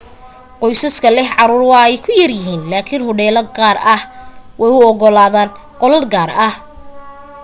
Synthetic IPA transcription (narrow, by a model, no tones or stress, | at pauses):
qɔjsɐskʰɐlɛɦʕɑɾuːrwɑɛjkʰʊjɐrjɪɦiːnlaːkʰinɦɔɽɛːlɐɡaːrɐhwɛjʊɔɣɔlaːðaːn | qɔlɐd̪ɡaːrɐh